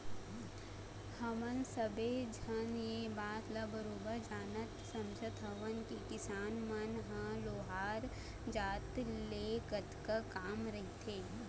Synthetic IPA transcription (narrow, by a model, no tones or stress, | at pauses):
hɐmənsəbed͡ʒʱɐnjebaːt̪lɐbəɾoːbəɾd͡ʒaːnət̪sɐmd͡ʒʱət̪ɦɐʋənkikɪsaːnmɐnɦɐ̃loːɦaːɾ | d͡ʒaːt̪leːkət̪kəkaːmɾɐɦit̪ʰeː